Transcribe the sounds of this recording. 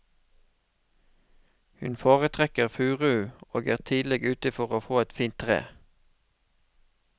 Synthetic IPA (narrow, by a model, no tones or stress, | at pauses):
hʉnfoːʁət̪ʰʁɛkəʁfʉːʁʉoːɡæːʁt̪ʰiːd̪lɛɡʉːt̪ɪfɔʁoːfoːɛt̪fiːnt̪ʰʁḛː